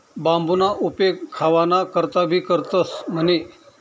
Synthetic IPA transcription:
bambunaʔupekʰːaʋanakəɾt̪abʱiːkəɾt̪əsm̤əne

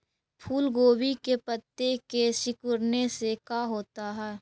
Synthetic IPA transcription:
pʰuːlɡoːbikepət̪ːekesɪkʊɾnesekaːɦoːt̪aɦɛː

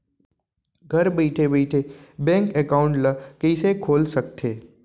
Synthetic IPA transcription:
ɡʱɐɾbeɪʈʰebeɪʈʰebɛ̃ːŋkɛkaːʊ̃ɳʈlɐkeɪsekʰoːlsɐk̚t̪ʰeː

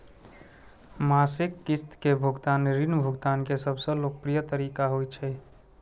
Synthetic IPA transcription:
maːsɪkːɪst̪kebʱʊɡt̪aːnɾinbʱuɡt̪aːnkesəbʱsə̃loːk̚pɾijət̪əɾiːkaɦojt͡ʃʰɛ

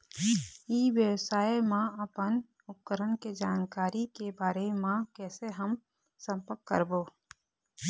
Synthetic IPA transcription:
iːʋjəwsaːemãəpən | ʊp̚kəɾənked͡ʒaːnkaːɾikebaːɾemãkɛːseɦəm | sə̃mpəɾkːə̰ɾboː

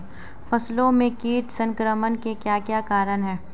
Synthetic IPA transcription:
fɐslõmẽkiːʈsə̃ŋkɾəmənkekjaːkjaːkaːɾənɦɛː

